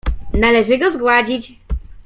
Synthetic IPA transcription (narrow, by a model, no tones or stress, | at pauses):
nalɛʐɘɡɔzɡwad͡ʑit͡ɕ